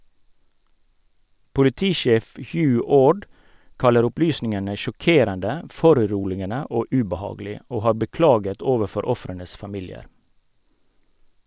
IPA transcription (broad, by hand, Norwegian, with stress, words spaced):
pʊlɪˈtiːˌʃeːf ˈhjʉː ˈoːɖ ˈkɑləɾ ˈʊplyːsnɪŋənə ʃɔˈkeːɾəndə ˈfɔɾʉˌɾuːlɪənə ˈoː ʉbɑˈhɑːɡəlɪ ˈoː ˈhɑː bəˈklɑːɡət ˈoːʋəˌfɔɾ ˈɔfɾənəs fɑˈmiːlɪəɾ